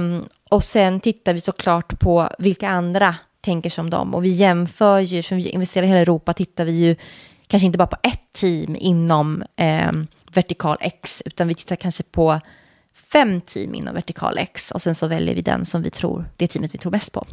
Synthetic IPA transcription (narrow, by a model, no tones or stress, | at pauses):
ɔsɛnt̪ʰɪt̪ːaɾvɪsɔkʰlɑːʈpʰɔvɪlkaand̪ɾa | t̪ʰɛŋkəʂɔmd̪ɔ̰mɔ̰vɪjɛmfœːɾjɵfɔvɪɪ̰nvɛst̪eːɾaɾɪheːlaɛɾuːpat̪ʰɪt̪ːaɾvɪjɵ | kʰanʂəɪnt̪əbɑːɾapʰɔ̥ʔɛt̪ʰːiːmɪnːɔm | væʈɪkʰɑ̰ːlʔɛ̰ksʉ̟ːt̪anvɪt̪ʰɪ̥t̪ːaɾkʰanʂəpʰɔ | fɛmːt̪ʰḭːmʔɪ̰nːɔ̰mvɛʈɪkʰɑ̰ːlʔɛ̰ksɔ̰sɛnsɔvɛljə̰ɾvɪ̰d̪ɛ̰nsɔmvɪ̰t̪ʰɾṵːɾd̪̥ɛt̪ʰiːmət̪vɪt̪ʰɾuːɾmɛst̪̚pʰɔ̰